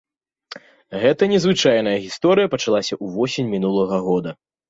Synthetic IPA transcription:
ɣɛt̪ɐnʲɛzvɨt͡ʂajnɐjɐɣʲist̪ɔɾɨjɐpɐt͡ʂalˠasʲɐʔuvɔsʲinʲmʲinulˠɐɣɐɣɔd̪ɐ

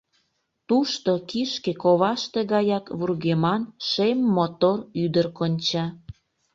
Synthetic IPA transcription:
t̪uʃt̪okiʃkekoβɑʃt̪eɣɑjɑkβurɣemɑnʃemːot̪oryd̪ərkonʲt͡ɕɑ

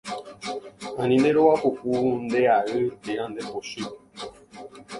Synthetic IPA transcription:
ãnĩneɾowapokund̪eaɾɨt̪eãnd̪epoʃi

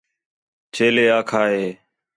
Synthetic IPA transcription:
t͡ʃʰeːleːaːkʰaːɦeː

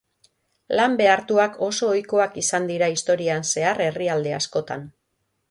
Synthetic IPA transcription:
lambe̞aɾt̪uako̞so̞ːjko̞akisand̪iɾaist̪o̞ɾianse̞are̞riald̪e̞asko̞t̪a̰n

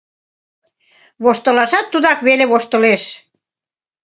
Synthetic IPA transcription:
βoʃt̪ə̆lɑʃɑt̪ːud̪ɑkβeleβoʃt̪ə̆leʃ

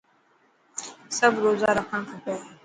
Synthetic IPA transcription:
səbɾoːzaːɾəkʰəɳ̃kʰəpeː

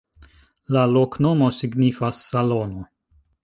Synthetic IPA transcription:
lalo̞kno̞mo̞siɡnifasːalo̞no̞

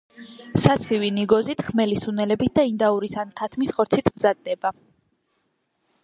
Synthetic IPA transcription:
sat̪sʰχiviniɡɔzit̪ʰχmɛlisunɛlɛbit̪̚d̪aind̪auɾit̪ʰant̪ʰat̪ʰmisχɔɾt̪sʰit̪ʰmzad̪ːɛba

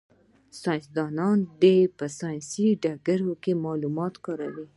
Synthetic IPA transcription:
sɑj̃nsd̪ɑnɑnd̪epəsɑjnsiɖaɡaɾokemɑlumɑt̪kɑɾawi

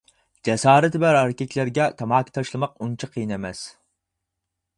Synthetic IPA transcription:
d͡ʒɛsɑːɾɨt̪ɪbæɾæɾkʲɛkʲlæɾɡʲɛt̪ʰɑmɑːkʲʰi̥t̪ʰɑʃlˠɨmɑqunt͡ʃʰɑqʰɨjinɛmɛs

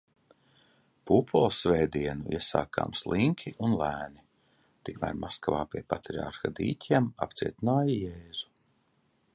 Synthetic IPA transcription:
pupʰɔlˠsvɛːd̪iɛnuʔḭɛsa̰ːkʰa̰ːmslˠiŋkʰʲiʔunlˠæːni | t̪ikmæ̰ːɾmaskavaːpʲiɛpat̪ɾia̰ɾxad̪ḭːcʲiɛma̰pt̪siɛt̪inaːjijɛːzu̥

